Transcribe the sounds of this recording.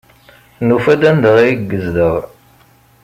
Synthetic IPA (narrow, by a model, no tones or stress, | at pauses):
nufæd̪ænd̪əʁiɡːəzðəʁ